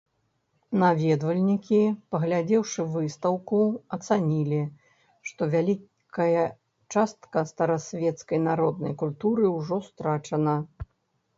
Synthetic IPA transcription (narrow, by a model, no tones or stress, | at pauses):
navʲɛd̪vɐlʲnʲikʲipɐɣlʲad͡zʲɛwʂɨvɨst̪ɐwkuɐt̪sanʲilʲi | ʂt̪ɔvʲalʲi | kɐjɐ | t͡ʂast̪kɐst̪ɐɾɐsʲvʲɛt̪skɐjnaɾɔd̪̚nɐ̰jkulʲt̪uɾɨwʐɔst̪ɾat͡ʂɐnɐ